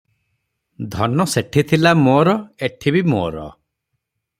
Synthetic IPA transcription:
d̪ʱɔnɔseʈʰit̪ʰilamoːɾɔeʈʰibimo̰ːɾɔ̰

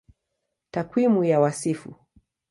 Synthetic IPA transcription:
takwimujawasifṵ

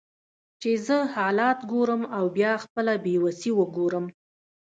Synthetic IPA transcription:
t͡ʃezəhɑlɑt̪ɡoɾəmawbjɑxpəlabewasiwəɡoɾəm

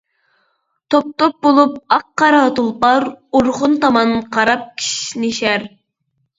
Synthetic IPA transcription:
t̪ʰop̚t̪op̚bolˠup̚ɑqːɑɾɑt̪ulˠpɑɾuɾχʊnt̪ɑmɑnqʰɑɾɑp̚kʲʰi̥ʃneʃæɾ

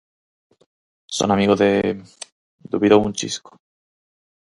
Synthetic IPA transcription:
so̰namiɣoðe | d̪uβiðount͡ʃḭsko̥

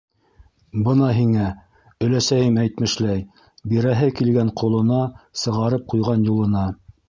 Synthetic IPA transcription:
bɤnɑɦiŋæ | ɵ̆læsæjɘmæjt̪mɘ̆ʃlæj | biɾæɦɘkilɡæɴqʰŏlˠɤ̆nɑsɤ̆ʁɑɾɤp̚qujʁɑnjulˠɤ̆nɑ

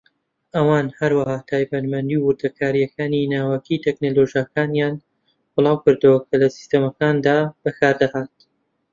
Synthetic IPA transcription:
ʔɐwaːnhɐɾwɐhaːt̪ʰaːjbɐnmɐnd̪iwwʊɾd̪ɐkʰaːɾijɐkaːninaːwɐkʰit̪ʰeknoloʒijakaːnjaːn | b̥ɨlˠɑːwkɨɾd̪uwɐkʰɐlɐsi̥st̪ɐmɐkaːnd̪aːb̥ɐkʰaːɾd̪ɐhaːt̪̚

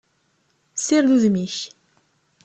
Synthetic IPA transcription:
siɾðuðmiç

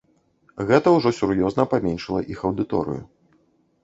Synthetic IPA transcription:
ɣɛt̪ɐwʐɔsʲurjɔznɐpamʲɛnʲʂɐlˠɐ̰ʔixɐwd̪ɨt̪ɔ̰ɾɨ̰jṵ

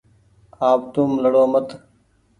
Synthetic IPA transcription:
aːp̚t̪uːmləɽoːmət̪ʰ

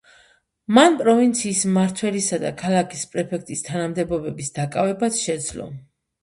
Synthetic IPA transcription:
manpʼɾɔvint̪sʰiːsmaɾt̪ʰwɛlisad̪a̰kʰalˠakʰispʼɾɛpʰɛk̚ʰt̪ʼist̪ʰanamd̪ɛbɔbɛbisd̪akʼavɛbasʃɛd̪zlɔ̰

